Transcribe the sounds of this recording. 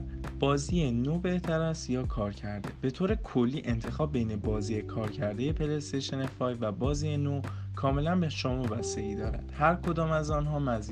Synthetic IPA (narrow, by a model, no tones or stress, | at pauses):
b̥ɒːziːenoːbe̞ht̪ʰæɾæst̪jɒːkʰɒːɾcʰæɾd̪e̞b̥e̞t̪ʰoːɾe̞kʰolːiːʔe̞nt̪ʰe̞xɒːb̚ːe̞jne̞bɒːziːjekʰɒːɾcʰæɾd̪e̞je̞pʰelest̪ʰeʃenefɒːjvæbɒːziːenokʰɒːme̞lænbeʃɒːmubæst̪e̞iːd̪ɒːɾæ̰d̪̥hæɾkʰo̞d̪ɒːmæzɒnɦɒːmæz